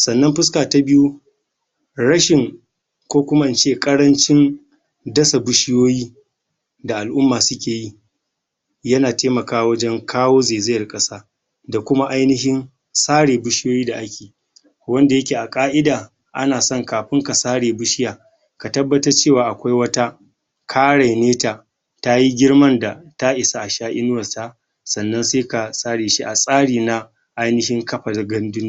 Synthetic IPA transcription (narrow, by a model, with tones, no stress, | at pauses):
sɐ˨nːɐ˦mɸɪ˦skaː˨ta˨˦bɪ˦ju˦ | ɽɐ˦ʃɪ˨ŋ | kʷoː˦kʷʊ˦ma˦ʔɪ˨nt͡ʃeː˦kʼɐ˦ɽɐ˦nt͡ʃɪ˦n | dɐ˦sa˨bʊ˦ʃɪ˦joː˦jiː˦ | da˨ʔa˨lʔʊ˦mːaː˨sʊ˦kʲeː˨ji˦ | jɐ˦naː˨teː˦mɐ˨kaː˦wɐ˦d͡ʒɛ˦ŋkʰaː˦woː˦zeː˨zɪ˦jɐ˨rkʼɐ˦saː˦ | da˨kʷʊ˦ma˦ʔa˦jnɪ˦ɦɪ˦n | saː˦ɽeː˨bʊ˦ʃɪ˦joː˦jiː˦da˨ʔa˦kʲe̥ː˨ | wɐ˦nda˨jɐ˦kʲeː˨ʔa˨kʼaː˦ʔɪ˦daː˨ | ʔa̰˦naː˨sɔ˦˨ŋkaː˨ɸɪ˦ŋka˨saː˦ɽeː˨bʊ˦ʃɪ˦jaː˨ | ka˨tɐ˦bːɐ˦tɐ˦rt͡ʃeː˦˨waː˨ʔa˨kʷa˦jwɐ˦ta˦ | kʰaː˦ɽa˨neː˦taː˨ | ta˦ji˦ɡʲɪ˦ɽmɐ˦nda˨ta˦ʔɪ˨sa˨ʔa˨ʃaː˦ʔɪ˦nʊ˦wɐ˨sta˦ | sɐ˨nːɐ˦nseː˦ka˨sʼaː˦ɽeː˨ʃi˦ʔa˨sʼaː˦ɽiː˨na˦ | ʔa˦jnɪ˦hɪ˦ŋkɐ˦ɸa˨da˨ɡɐ˦ndʊ˦n˦